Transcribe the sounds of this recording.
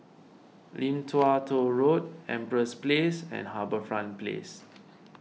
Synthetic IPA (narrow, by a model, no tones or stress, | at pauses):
lĩmtʰwatʰoɹot̚ɛ̰̃mpɹəsplesɛ̰̃nɦabəfɹãnplḛs